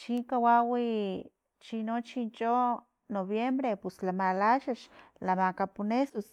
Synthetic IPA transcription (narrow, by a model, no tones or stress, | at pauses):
t͡ʃiŋkawawi | t͡ʃinot͡ʃint͡ʃo | noβjembɾepeslamalaʃaʃlamakapunesos